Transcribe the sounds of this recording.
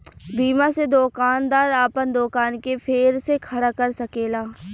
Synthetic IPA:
biːmased̪oːkaːnd̪aːɾaːpənd̪oːkaːnkepʰeːɾsekʰɐɽakɐɾsɐkeːlaː

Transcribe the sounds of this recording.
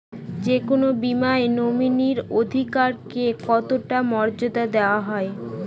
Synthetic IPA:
d͡ʑekonobimaenominiɾod̪ʱikaɾkekɔt̪oʈamɔɾd͡ʑod̪ad̪eoaɦɔe

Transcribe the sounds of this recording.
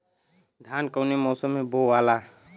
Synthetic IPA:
d̪ʱaːnkəʊnemoːsəmːẽboʋaːlaː

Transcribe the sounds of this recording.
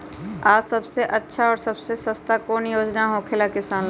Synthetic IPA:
aːsəbseʔətːʃʰaɔːɾsɐbsesəst̪akoːnjoːd͡ʒnaɦokʰɪlakɪsaːn

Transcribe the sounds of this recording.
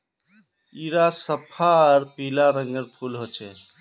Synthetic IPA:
iɾasəpʰaɾpilaɾəŋɡəɾpʰulɦot͡ʃʰɛ

